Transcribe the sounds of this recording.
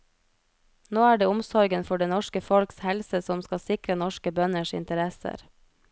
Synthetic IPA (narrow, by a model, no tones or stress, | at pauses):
noːæːɖeːʊmsɔɾɡənfɔɖeːnɔʃkəfɔlkshɛlsəsɔmskɑsɪkɾənɔʃkəbœnəʃɪ̰nt̪əɾɛsə̰ɾ